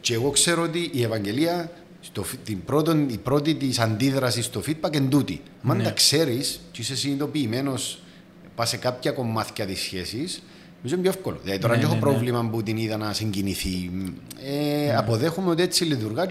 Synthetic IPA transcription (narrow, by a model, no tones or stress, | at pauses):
ceeɣo̞kse̞ɾoot̪iʔːevɐɲɟe̞liɐ | st̪oft̪imbɾo̞t̪onipɾo̞t̪it̪isɐnd̪iðɾɐsist̪o̞fid̪̚bɐke̞nd̪ut̪ḭɐmɐnd̪ɐkse̞ɾiscisesinit̪o̞piːme̞no̞s | pase̞kapçɐko̞mːɐθçɐt̪isçe̞sis | mizomɟoefkolo̰ðilɐðit̪oɾɐɲexopɾo̞vlimɐmbut̪iniðɐnɐsiɲɟiniθi | eɐpo̞ðe̞xumeo̞t̪iet͡sːiliðuɾɣɐ